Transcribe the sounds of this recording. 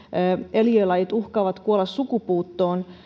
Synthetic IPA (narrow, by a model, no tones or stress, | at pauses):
eljøilɑjit̪uhkɑːʋɑt̪kuolɑssukupuːt̪ːoːn